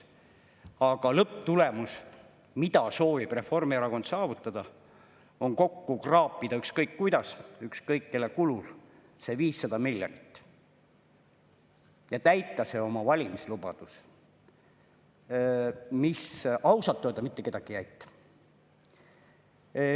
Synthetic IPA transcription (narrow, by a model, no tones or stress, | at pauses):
ɑɡ̥ɑlɤpːt̪ulemus | mid̪̥ɑso̞ːvib̥re̞fo̞rmieɾɑko̞nt̪sɑːvut̪ːˑɑd̪̥ɑ | o̞nko̞kːukrɑːpːˑid̪ɑykskɤjkːujd̪̥ɑsykskɤjkːelekulul | se̞viːsːɑd̪̥ɑmilʲjonit̪ː | jɑt̪æjt̪ːˑɑse̞o̞mɑvɑlʲimislubɑ̰d̪̥us | misɑwsɑt̪ːøːd̪ɑmit̪ːe̞ke̞d̪ɑɡ̥ijæjt̪ːˑɑ̥